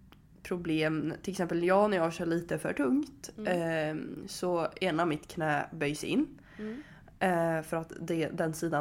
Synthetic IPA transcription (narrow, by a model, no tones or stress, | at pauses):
pʰɾʊbleːmt̪ɪlɛksɛmpəljɑːnæɾjɑːaʃœːɭiːt̪əfœ̰ʈʰɵŋt̪ | sɔeːnamɪt̪kʰnɛːbœjsɪnː | fœɾat̪d̪ɛd̪ɛnsiːd̪a